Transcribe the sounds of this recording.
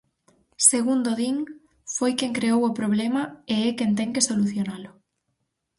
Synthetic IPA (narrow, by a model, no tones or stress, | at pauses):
seɣund̪oðiŋ | fojkeŋkɾeowʊpɾoβ̞lemɐeɛkent̪ɛŋkesoluθjonalʊ